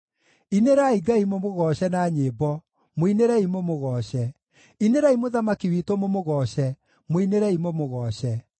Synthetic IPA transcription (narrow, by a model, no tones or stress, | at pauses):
ineɾaiɡaimomoɣɔːɕɛnaːɲeːbɔ | moineɾɛimomoɣɔɕɛ | ineɾɛimoðamakiwitomomoɣɔɕɛ | moineɾɛimomoɣɔɕɛ